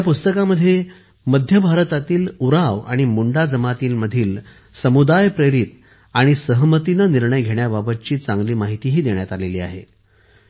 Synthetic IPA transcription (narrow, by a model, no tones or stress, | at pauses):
apust̪əkaməd̪ʱːje | məd̪ʱjəbʱaɾət̪at̪iːluɾaʋa̰ɽ̃imuɳɖad͡zəmat̪iːlməd̪ʱiːl | səmud̪ajpɾeɾit̪ | aɽ̃isəɦmət̪inəniɾɳəjɡʱeɳjababət̪̚t͡ɕiːt͡sãŋɡliːmaɦit̪iɦiːd̪eɳjat̪aleliːa̰ɦḛ